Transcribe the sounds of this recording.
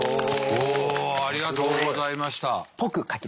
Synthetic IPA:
oːaɾʲiɡat̪o̞ːɡo̞zaimaɕi̥t̪apokɯ̟kakʲi

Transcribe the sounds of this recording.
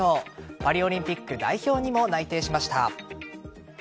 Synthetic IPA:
oːpaɾʲio̞ɾʲĩmpʲikːɯ̟d̪a̰iço̞ːɲ̟imo̞nait̪e̞ːɕimaɕi̥t̪a̰

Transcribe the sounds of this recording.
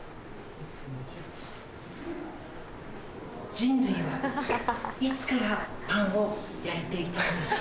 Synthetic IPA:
d͡ʑĩnɾɯiβa | it͡sɨ̥kaɾapãɰ̃ojaet̪e̞it̪aimaɕ

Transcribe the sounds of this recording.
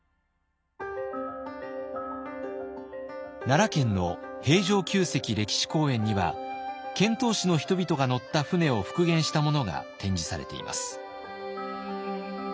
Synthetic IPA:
naɾakẽ̞nːo̞he̞ːʑo̞ːkʲɨːse̞kʲiɾe̞kʲi̥ɕi̥ko̞ːẽ̞ɲ̟ːiβa̰kẽ̞nt̪o̞ːɕino̞çi̥t̪o̞bʲit̪o̞ɡano̞t̪ːaɸɯ̟ne̞o̞ɸɯ̟̥kɯ̟ɡẽ̞ɰ̃ɕi̥t̪amo̞no̞ɡa̰t̪ẽ̞ɲ̟d͡ʑisaɾe̞̰t̪e̞̰ḭmʔa̰sɨ̥

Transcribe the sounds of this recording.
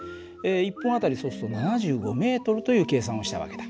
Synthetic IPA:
eipːõɰ̃at̪aɾʲiso̞sɨ̥t̪o̞nanaʑɨːɡo̞me̞ːt̪o̞ɾɯ̟t̪o̞jɯ̟ːke̞ːs̬ãɰ̃o̞ɕi̥t̪aβa̰ke̞d̪̥a

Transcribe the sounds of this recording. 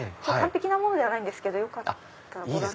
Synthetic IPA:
sokkãmpe̞kʲinamo̞no̞d̪e̞βanaĩnd̪e̞sɨ̥ke̞d̪o̞jo̞kat̪ːaɾoa

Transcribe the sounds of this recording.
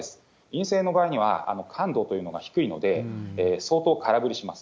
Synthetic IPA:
sɨ̥ | ĩɰ̃se̞ːno̞baːiɲ̟iβ̞a̰a̰no̞kʰãnd̪o̞ːt̪o̞jɯ̟ːno̞ɡaçi̥kɯ̟ino̞̰d̪e̞ːso̞ːt̪o̞ːkʰaɾabɯ̟ɾʲiɕimasɨ̥

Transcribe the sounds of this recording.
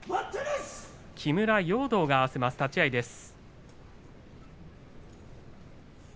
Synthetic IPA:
w | kʲʰimɯ̟ɾajo̞ːd̪o̞ːɡaːβase̞masɨ̥t̪at͡ɕiaid̪e̞sɨ̥

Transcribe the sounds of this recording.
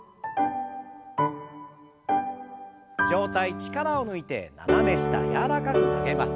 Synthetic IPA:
d͡ʑo̞ːt̪ait͡ɕi̥kaɾaonɯ̟it̪e̞̰na̰name̞ɕi̥t̪a̰jaɾakakɯ̟na̰ɡe̞masɨ̥

